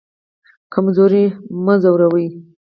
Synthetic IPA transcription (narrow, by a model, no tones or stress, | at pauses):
kamzoɾiməzawɾawəj